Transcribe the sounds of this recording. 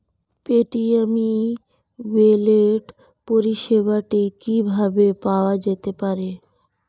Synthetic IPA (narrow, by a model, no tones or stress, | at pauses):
peʈiami | weleʈ | poɾiʃeβaʈikibʱabepaoad͡ʑet̪epaɾe